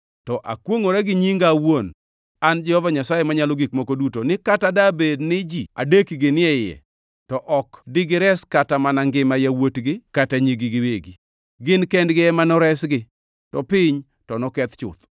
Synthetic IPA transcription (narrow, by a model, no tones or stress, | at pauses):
tɔʔa̰kwoŋoɾɛɡɪɲiŋɡawon | and͡ʒɛhɔvaɲasajemaɲalɔɡikmokodutonɪkatadabednɪd͡ʒia̰dekiɡɪnɪɛjɛ̰ | tɔʔɔkdɪɡɪɾɛskatamanaŋɡɪmajawotɡɪkataɲiɡɪɡɪweɡi | ɡɪnkɛndɡɪɛmanɔɾɛsɡɪ | tɔpɪɲ | tɔnɔkɛt̪t͡ʃʊ̰t̪